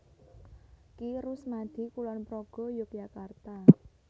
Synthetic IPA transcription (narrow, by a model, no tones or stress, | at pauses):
kiɾʊsmad̪̥i̤kulɔnpɾɔɡ̥ɔ̤jok̚jakart̪a